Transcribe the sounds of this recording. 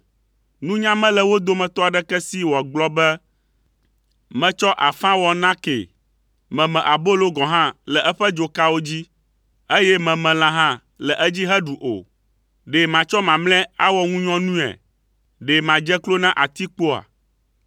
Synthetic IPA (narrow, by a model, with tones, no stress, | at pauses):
nũ˦ɲã˦mɛ̃˦lɛ˨wo˦d̪o˦mɛ̃˨t̪ɔ˦a˨ɖɛ˦kɛ˦si˦wɔ˨ɡ͡blɔ˦bɛ˦ | mɛ̃˨t͡ʃɔ˦ʔa˨fã˦wɔ˨nã˦kḛ˨ | mɛ̃˨mɛ̃˨ʔa˨bo˦lo˦ɡɔ̃˨ɦã˦lɛ˨ʔɛ˦ɸɛ˦d͡ʒo˨ka˦wo˦d͡ʑi˦ | e˦jɛ˦mɛ̃˨mɛ̃˨lã˨ɦã˦ | lɛ˨ʔɛ˦d͡ʑi˦ɦɛ˦ɖu˨ʔo̰˨ | ɖe˨mã˨t͡ʃɔ˦mã˨mlɛ̃˦a̰˦wɔ˦ŋũ˦ɲɔ̃˦nũ˦ɛ̰˨ | ɖe˨mã˨d͡ʒɛ˦klo˦nã˦ʔa˨t̪i˦k͡po˦a̰˨